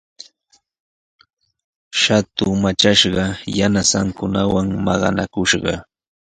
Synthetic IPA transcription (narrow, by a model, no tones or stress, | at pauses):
ʃat̪ʊmat͡ʃaʃɢɑjanasaŋkʊnawaŋmɑɢɑ̰na̰kʊʃɢɑ̰